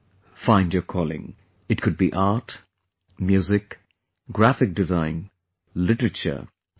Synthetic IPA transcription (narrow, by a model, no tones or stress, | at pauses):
fãɪ̃ndjəkʰɔlˠɪ̰̃ŋ | ɨt̚kʰɨd̚biʔɑɹt | mjʉzɪk | ɡ̥ɹæfɪk̚d̥ɨzãɪ̃n | lɪɾəɹɨt͡ʃə̰˞